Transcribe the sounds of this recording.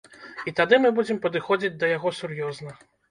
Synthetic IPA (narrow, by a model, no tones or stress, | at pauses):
it̪ad̪ɨmɨbud͡zʲɛmpɐd̪ɨxɔd͡zʲid͡zʲd̪ɐjaɣɔsurjɔznɐ